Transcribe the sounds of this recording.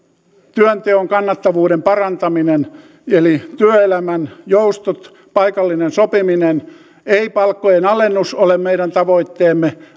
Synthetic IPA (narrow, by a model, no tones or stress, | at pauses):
t̪yønt̪eoŋkɑnːɑt̪ːɑʋuːdempɑrɑnt̪ɑminen | elit̪yøelæmænjoust̪ot̪ | pɑikɑlːinensopiminen | eipɑlkːojenɑlenːusolemmeiɾænt̪ɑʋoit̪ːeːmːe